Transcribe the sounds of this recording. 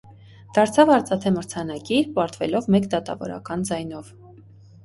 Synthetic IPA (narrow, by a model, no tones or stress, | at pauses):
d̪̥ɑɾt͡sʰɑvɑɾt͡sɑt̪ʰɛməɾt͡sʰɑnɑkipɑɾt̪vɛlɔvmɛkd̪ɑt̪ɑ̰vɔ̰ɾɑ̰kɑnd͡zɑjnɔv